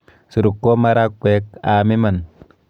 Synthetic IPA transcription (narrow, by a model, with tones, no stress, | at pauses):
su˨ɾu˨kːo˦ma˦ɾa˦kʷːwe˦ka˨mi˦ma˨n